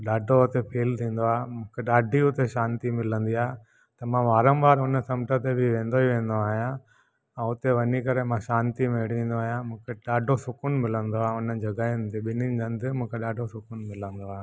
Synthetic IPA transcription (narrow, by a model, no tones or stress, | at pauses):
ɗaːɖʱoʊt̪epʰeːlt̪ʰĩːn̆d̪oaːmʊ̃ːkʰeɗaːɖʱiʊt̪eʃãːnt̪imɪlə̃nd̪iaː | t̪ɐmãʋaːɾə̃mʋaːɾʊnəsɐmʈət̪ebʱɪʋẽːn̆d̪oiʋẽːn̆d̪oaːɦijã | ɛ̃ʊt̪eʋɐnikɐɾemãʃãːnt̪imeɽ̤ĩːnd̪oaːɦjãmũːkʰeɗaːɖʱosʊkʊnmɪlə̃nd̪oaːʊnəd͡ʑɐɡaːɪnt̪eɓɪnɪnɡɐ̃nd̪ɪmũːkʰeɗaːɖʱosʊkʊnmɪlə̃nd̪oaː